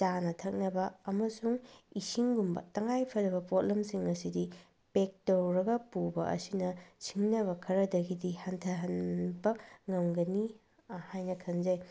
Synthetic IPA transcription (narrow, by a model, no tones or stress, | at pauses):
t͡ʃanɐtʰɐk̚nɐbɐɐmɐsuŋisiŋɡumbɐ̰tɐŋajpʰɐdɐβɐpot̚lemsiŋɐsidi | pek̚towɾɐɡɐpubɐ̰ʔɐ̰sinɐt͡ʃʰiŋnɐβɐkʰɐɾɐdɐɡidihɐntʰɐɦɐnbɐŋɐmɡɐni | hajnɐkʰɐnzɐj